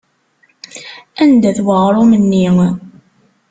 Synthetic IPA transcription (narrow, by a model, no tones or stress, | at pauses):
ænd̪æθwəʁɾˤomənːi